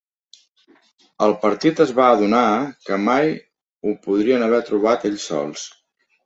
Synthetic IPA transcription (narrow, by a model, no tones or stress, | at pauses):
əlˠpəɾt̪it̪əzβaːðunakəmaj | upuðɾiənəβ̞ɛɾt̪ɾuβ̞at̪eʎsːɔ̰lˠs